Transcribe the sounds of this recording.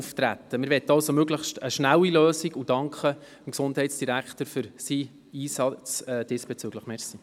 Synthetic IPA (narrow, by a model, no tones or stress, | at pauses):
uftɾæ̰t̪ːəmɪɾʋɛtːəɑlsomøɡləχstəʃnæwiløːsiɡud̥ɑŋkχə | əmksʊnd̥ɦɛɪtsd̥iɾækχtəɾfʏɾsi | iːsɑt͡sɛd̥ɪsb̥ɛt͡syɡləχmɛrsi